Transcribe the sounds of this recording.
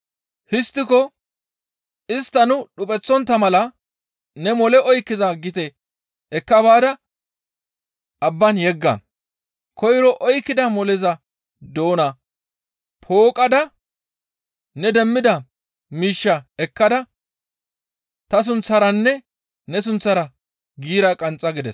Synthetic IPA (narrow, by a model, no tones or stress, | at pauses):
hɪst̪ːɪkɔ | ɪst̪ːɐnʊɗʊpʼɛt͡sːɔnt̪ːɐmɐlɐ | nɛmɔlɛʔɔjkːɪzɐɡɪt̪ɛ | ɛkːɐbaːd̪ɐ | ɐbːɐnjɛɡːɐ̰ | kɔjɾɔʔɔjkːɪd̪ɐmɔlɛzɐ | d̪o̞ːnɐ | pʰo̞ːkʼɐd̪ɐ | nɛd̪ɛmːɪd̪ɐ | miːʃːɐɛkːɐd̪ɐ | t̪ɐs̬ʊnt͡sːɐɾɐnːɛ | nɛs̬ʊnt͡sːɐɾɐ | ɡiːɾɐkʼɐnt͡sʼːɐɡɪd̪ɛs